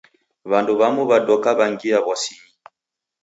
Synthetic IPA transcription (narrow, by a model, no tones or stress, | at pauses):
βanduβamuβadɔkaβaŋɡiaβɔsii